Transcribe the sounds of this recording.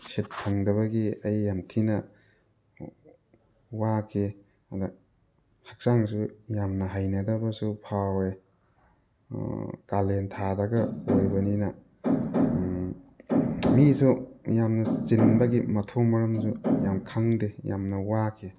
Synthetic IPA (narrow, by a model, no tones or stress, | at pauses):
sʰet̚pʰɐŋdɐβɐɡiɐjːamtʰinɐ | wakʰe | adɐ | hak̚saŋsujamnɐɦajnɐdɐbɐsupʰawe | kalentʰadɐɡɐojbɐninɐ | misujamnɐt͡ʃinbɐɡimɐtʰɐwmɐɾɐmsujamkʰaŋdeja̰mnɐwakʰe